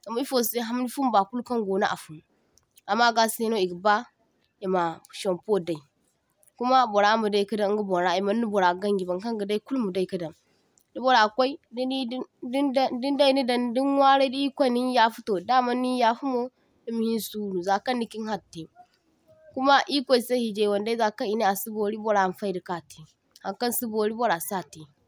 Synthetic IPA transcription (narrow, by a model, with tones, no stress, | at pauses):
ɡa˨m˨˦i˦fo˨se˦ɦa˦m˦ni˦fu˦m˦ba˨ku˦lka˦ŋɡo˨na̰˦ʔa̰˨fu˨m˨ | a˨mːa˦ɡa˦se˦no˦i˨ɡə˨ba˦ | ji˨ma˨ʃo˨mpo˦da˨i˨ | ku˦ma˦bo˨ɾa˦mu˨da˦i˦kə˦da˦ɡu˦bo˨ɾa˦˨i˨ma˦nː˦u˦bo˨ɾa˨ɡa˦ŋɡi˨ba˨ŋka˦ŋɡə˨da˦i˦ku˦lmu˨da˦i˨kə˦da˨m | di˦bo˨ɾa˨kʷa˦i˦dddi˦nda˦i˨ni˦da˨n˨di˦nwa˦ɾe˦di˦i˦kʷa˦˨ni˦ja˦fu˦to˨da˦ma˦nːi˦ja˦fu˦mo˦ | di˦mi˨hi˦su˦nu˨za˨kɐ˦nːi˦ki˦n˦ha˦˨tːe˨ | ku˦ma˦ʔi˦kʷa˦i˨se˦hi˨d͡ʒe˦˨wo˨nda˦i˦za˨kn˨i˨ne˦a˨si˦bo˨ɾi˦bo˦ɾa˨˦˨fa˦i˦di˨ka˦˨te˨ | ha˨ŋkɐ˦nsi˦bo˨ɾi˦bo˦ɾa˨sa˦˨te˨